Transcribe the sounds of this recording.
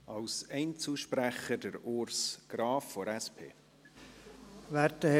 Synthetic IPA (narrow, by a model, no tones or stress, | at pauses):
ʔɑlsɛɪnt͡suʃpræχədəɾoɾsɡ̥rɑːfːoɾɛspʰḛː | ʋæɾtə